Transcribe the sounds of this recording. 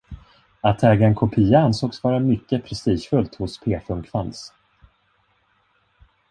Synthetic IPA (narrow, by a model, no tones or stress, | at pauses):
at̪ʰɛːɡaɛnkʰʊpʰiːaansoːksvɑːɾamʏkːəpʰɾɛst̪iːʂfɵlt̪hʊspʰeːfɵmkʰvans